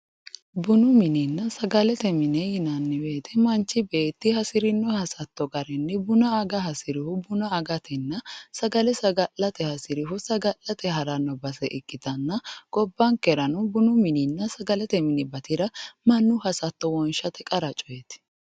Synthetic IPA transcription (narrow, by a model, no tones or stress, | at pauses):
bʊnʊmɪninːɐsɐɡɐlɛt̪ɛmɪnɛjɪnɐnːɪweːt̪ʰɛmɐnt͡ʃːɪbeːt̪ːɪhɐsɪɾɪnːɔhɐsɐt̪ːɔɡɐɾɛnːɛbʊnɐːɡɐhɐsɪɾɪhʊbʊnɐːɡɐt̪ʰɛnːɐsɐɡɐlɛsɐɡɐlɐt̪ɛhɐsɪɾɪhʊsɐɡɐlːɐt̪ɛɦɐɾɐnːɔbɐsɛʔɪkʼːɪt̪ɐnːɐɡ̥ɔbːɐŋkɛɾɐnʊbʊnʊmɪninːɐsɐɡɐlɛt̪ɛmɪnɛbɐt̪ɪɾɐmɐnːʊhɐsɐt̪ːɔwɔnʃɐt̪ɛkʼɐɾɐt͡ʃʼɔjɛt̪